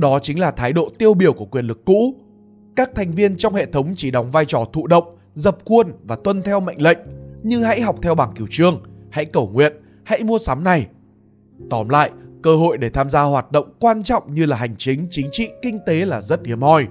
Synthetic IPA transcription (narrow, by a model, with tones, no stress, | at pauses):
ɗɔ˨˦t͡ɕï˨˦ŋ̟laː˨˩t̪ʰaː˨˦jɗo̰˧˨t̪i˧əwɓi˧˩əwku˧˩əkwi˨˩ənlɨ˨˩kːṵ˧˥ | kaː˦˥k̚t̪ʰa˨˩jŋ̟vi˧ənt͡ɕɔ˧wŋ͡mhḛ˧˨t̪ʰə˨˦wŋ͡mt͡ɕi˧˩ɗa˨˦wŋ͡mvaː˧jt͡ɕɔ˧˩t̪ʰṵ˧˨ɗə̰˧˨wŋ͡m | zə˨˩p̚ku˧ənvaː˨˩t̪wə˧nt̪ʰɛ˧wma̰˧˨jŋ̟lə̰˧˨jŋ̟ɲɨ˧ɦa̰˧˥jɦa˨˩wk͡p̚t̪ʰɛ˧wɓaː˨˩nki˧˩əwt͡ɕɨ˧əŋha̰˧˥jkə˧˩wŋwḭ˧˨ən | ha̰˧˥jmu˧əsa˨˦mna˨˩j | t̪ɔ˨˦mla̰ː˧˨jʔkəː˧ho̰˧˨jɗe˧˩t̪ʰaː˧mzaː˧hwaː˨˩t̚ɗə̰˧˨wŋ͡mkwaː˧nt͡ɕɔ̰˧˨wŋ͡mɲɨ˧laː˨˩ha˨˩jŋ̟t͡ɕï˨˦ŋ̟t͡ɕï˨˦ŋ̟t͡ɕḭ˧˨kï˧ŋ̟t̪e˨˦laː˨˩zə˦˥t̚ɗi˨˦əmhɔ˧j